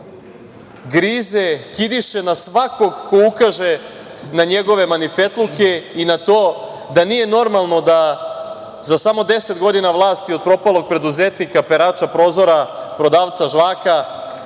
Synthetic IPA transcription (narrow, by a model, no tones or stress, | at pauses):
ɡɾiːze̞kid̪iʃe̞nasʋako̞ɡko̞ukaʒe | naɲe̞ɡo̞ʋe̞manife̞t̪lˠuke̞inat̪o̞ː | d̪anije̞no̞ɾmalˠno̞d̪a | zasamo̞d̪e̞set̪ɡo̞d̪inaʋlˠaːst̪iopɾo̞palˠo̞ɡ̚pɾe̞d̪uzet̪nikape̞ɾaːt͡ʃapɾo̞ːzo̞ɾapɾo̞d̪aːʋt̪saʒlˠaːka